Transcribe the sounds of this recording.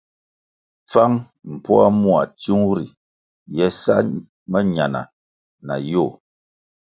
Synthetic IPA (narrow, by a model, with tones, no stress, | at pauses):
p͡fa˦ŋ | m̩˨pɔ˦a˦mwa˨tu˦ŋɾi˨ | jɛ˦sa̰˦ | mə˦ɲa˨na̰˨ | na̰˨jo˦˨